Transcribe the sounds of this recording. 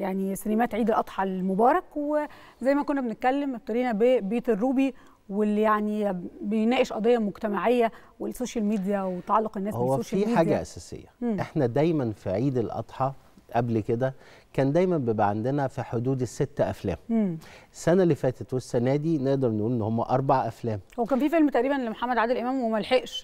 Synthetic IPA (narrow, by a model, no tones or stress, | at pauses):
jaʕnisænæmæːt̪ʕiːd̪elʔɑt̪ˤħɑlmobɑːɾˤɑkwe | zæjːmækonːæbenet̪̚kælːemʔebt̪ɑɾiːnæbebeːt̪erːuːbi | welːijaʕnibejnæːʔeʃʔɑd̪ˤejːɑmoɡt̪æmaʕejːæ | welsːoːʃælmiːd̪ijæwet̪ɑʕɑlːoqenːæːhowːsæoːʃiħaːɡæʔæsæːsḛjːæːʔeħnæd̪æjmænfiʕiːd̪elʔɑ̰t̪ˤħɑ | ʔæblked̪æ | kæːnd̪æjmæmbeːbʔaʕand̪enæfiħod̪uːd̪esːet̪ːæʔæ̰flæ̰ːmmːsːænælːifæːt̪et̪wesːænæːd̪ineʔd̪ɑɾˤneʔuːlʔenːohomːæʔɑɾˤbɑʕaʔæflæːmhowːækæːnfiːfelmt̪æʔɾiːbænlemoħamːæd̪ʕad̪elʔemæːmwemælħeʔʃ